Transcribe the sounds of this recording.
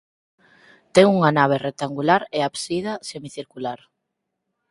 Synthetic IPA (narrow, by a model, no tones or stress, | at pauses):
t̪ɛŋuŋanaβ̞erek̚t̪aŋɡulaɾeapsið̞ɐsemiθiɾkulaɾ